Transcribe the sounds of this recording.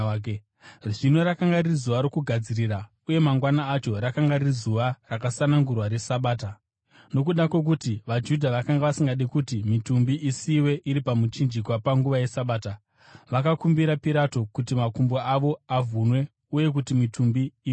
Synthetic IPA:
rʐino̞ɾakaŋɡaririzuʋaɾo̞kuɡʱad͡ziriːra | uje̞maŋɡwanaːt͡ʃo̞ɾakaŋɡaririzuʋarakasanaŋɡurwaɾesaɓaːta | no̞k̬uɗakwe̞k̬utiʋad͡ʒudʱaʋakaŋɡaʋasiŋɡaɗikutimitumbiʔisiwe̞ʔiɾipamut͡ʃind͡ʒikwapaŋɡuʋaje̞saɓaːta | ʋakakumbiɾapiɾato̞kutimakumboaʋo̞avunwe̞ | uje̞k̬utimitʰumbiː

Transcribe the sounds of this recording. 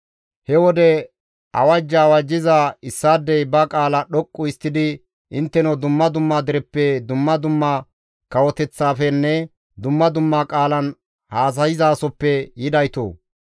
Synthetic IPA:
hɛwɔd̪ɛ | ʔɐ̰wɐd͡ʒːɐːwɐd͡ʒːɪzɐɪsːaːd̪ːɛjbɐkʼaːlɐɗɔkʼːʊɪst̪ːɪd̪ɪ | ʔɪnt̪ːɛnɔd̪ʊmːɐd̪ʊmːad̪ɪɾɛpːɛd̪ʊmːɐd̪ʊmːɐ | kɐwɔt̪ɛt͡sːaːfɛnːɛ | d̪ʊmːɐd̪ʊmːakʼaːlɐn | haːs̬ɐjɪzaːsɔpːɛjɪd̪ɐjt̪o̰ː

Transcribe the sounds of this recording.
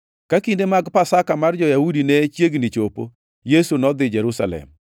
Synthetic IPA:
kakindemaɡpasakamard͡ʒɔjahudinɛt͡ʃjeɡnɪt͡ʃopo̰ | jesunɔd̪ɪd͡ʒɛɾusa̰lɛ̰m

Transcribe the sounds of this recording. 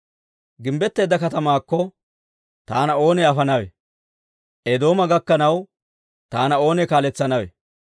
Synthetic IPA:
ɡɪmbɛt̪ːe̞ːd̪ːɐkɐt̪ɐmaːkːɔ | t̪aːnɐo̞ːnɛɐfɐnɐwɛ | ʔɛd̪o̞ːmɐɡɐkːɐnɐw | t̪aːnɐo̞ːnɛkaːlɛt͡sːɐnɐwɛ

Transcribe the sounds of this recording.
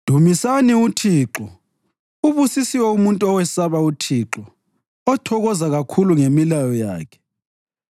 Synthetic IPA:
d̥ʱumisaniutʰiːǁɔ | uβusisiwɛumuntʼuɔwɛsaβautʰiːǁɔ | ɔtʰɔɣɔzaɣakʰuluŋemilajɔja̰ːkʰɛ̥

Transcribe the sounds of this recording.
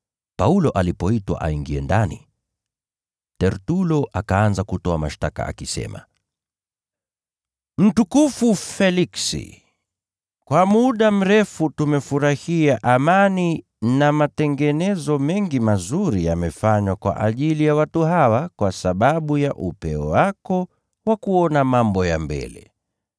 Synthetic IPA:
paulɔʔalipɔitwa̰ʔa̰iŋɡiɛndanḭ | tɛɾtulɔʔakaanzakutɔamaʃtaka̰a̰kisɛ̰ma̰ | m̩tukufufɛliksḭ | kwʔamuɗam̩ɾɛfutumɛfuɾahiaʔamani | namatɛŋɡɛnɛzɔmɛŋɡimazuɾija̰mɛfaɲwakwa̰ʔaʄilijawatuɦawakwasaɓaɓujaʔupɛɔwakɔ | wakuɔnamambɔja̰mbɛ̰lɛ̰

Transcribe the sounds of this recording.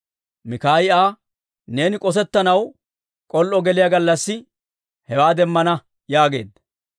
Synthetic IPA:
mɪkaːjɪaː | ne̞ːnɪkʼɔs̬ɛt̪ːɐnɐw | kʼɔlʔɔɡɛlɪjɐɡɐlːɐsːɪ | hɛwaːd̪ɛmːɐnɐ | jaːɡe̞̰ːd̪ɐ

